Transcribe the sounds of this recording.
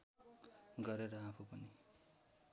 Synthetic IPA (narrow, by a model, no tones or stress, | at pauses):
ɡʌɾeɾʌapʰupʌni